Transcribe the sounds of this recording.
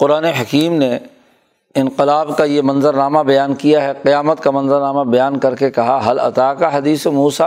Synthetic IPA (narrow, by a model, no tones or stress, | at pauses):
qʊɾaːneɦɐkiːmne | ɪ̃nqɪlaːbkajemɐ̃nzəɾnaːmabɐjaːnkijaɦɛqɪjaːmət̪kamɐ̃nzəɾnaːmabɐjaːnkɐɾkekɐɦaɦɐlɐ̰t̪aːkaɦɐd̪iːsemuːsa